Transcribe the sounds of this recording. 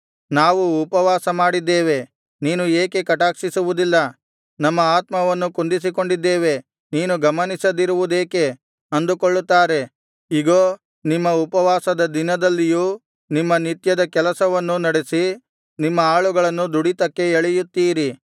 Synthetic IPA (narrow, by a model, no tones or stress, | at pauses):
naːʋuːpɐʋaːsɐmaːɽid̪ːe̞ːʋe̞ | niːnueːke̞kɐʈaːkʂisuʋud̪ilːɐ | nɐmːɐaːt̪mɐʋɐnːukund̪is̬iko̞ɳɖid̪ːe̞ːʋe̞ | niːnuɡɐmɐnisɐd̪iɾuʋud̪eːke̞ | ɐnd̪ukoɭːut̪ːaːɾe̞ | iɡoː | nimːɐupɐʋaːsɐd̪ɐd̪inɐd̪ɐlːijuː | nimːɐnit̪jɐd̪ɐkɛlɐsɐʋɐnːunɐɽe̞si | nimːɐaːɭuɡɐɭɐnːud̪uɽit̪ɐkːe̞eɭɛjut̪ːiːɾi